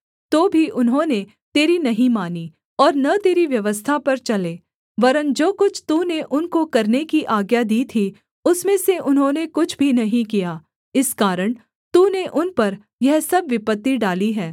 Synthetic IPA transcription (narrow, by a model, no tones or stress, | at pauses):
t̪oːbʱiʔʊnɦõne | t̪eːɾinɐɦĩmaːni | ɔːɾnɐt̪eːɾiʋjɐʋəst̪ʰapɐɾt͡ʃɐleː | ʋɐɾənd͡ʒoːkʊt͡ʃʰt̪uːneʔʊnkokɐɾnekiʔaːɡjad̪iːt̪ʰi | ʊsmẽseʔʊnɦõːnekʊt͡ʃʰbʱinɐɦĩkijaː | ɪskaːɾəɽ̃ | t̪uːneʔʊnpɐɾ | jɛɦsɐbʋɪpət̪ːiɖaːliɦɛ̃ː